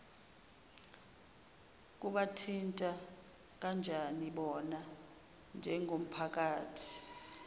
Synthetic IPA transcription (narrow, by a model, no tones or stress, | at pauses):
k̬uɓatʰintʼa | k̬and͡ʒʱaniɓɔna | nd͡ʒʱɛŋʱom̩pʰak̬ʼaːtʰi̥